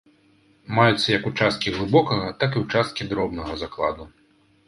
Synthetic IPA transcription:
majut̪sːɐjɐkut͡ʂast̪̚kʲiɣlˠɨbɔkɐɣɐt̪akiwt͡ʂast̪̚kʲid̪ɾɔbnɐɣɐzaklˠa̰d̪u

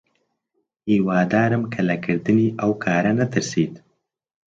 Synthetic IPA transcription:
hiwɑːd̪ɑːɾəmkʰalakəɾd̪əniʔawkʰɑːɾanat̪əɾsed̪

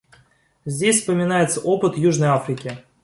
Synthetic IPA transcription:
zʲdʲesʲspəmʲɪnajɪt̪səʔo̞pɨt̪juʐnəjafɾʲɪkʲɪ

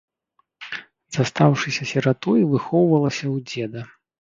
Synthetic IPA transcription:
zast̪awʂɨsʲɐsʲɛɾat̪ɔjvɨxɔwvɐlˠɐsʲɐwd͡zʲɛd̪ɐ

